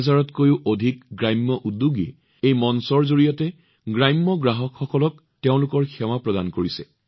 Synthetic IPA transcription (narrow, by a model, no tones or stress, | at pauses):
zaɹɔtkojʊʔodʱikɡɹajmːɔʔuduɡḭ | ejmɔnsɔɹzoɹijɔtɛ | ɡɹajmːɔɡɹaɦɔkxɔkɔlɔk | teʊ̃lʊkɔɹxɛwapɹɔdankoɹisɛ